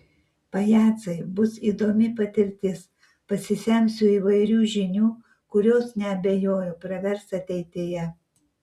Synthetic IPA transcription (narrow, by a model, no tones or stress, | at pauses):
pɐjæːt̪sɐɪbʊsiːd̪oːmʲɪpɐt̪ʲɪɾʲt̪ʲɪs | pɐsʲɪsʲɛmʲsʲʊiːʋɐɪɾʲuːʒʲɪnʲuː | kʊɾʲoːsnʲɛɐbʲejoːjopɾɐʋʲɛɾsɐt̪ʲɛɪt̪ʲeːjɛ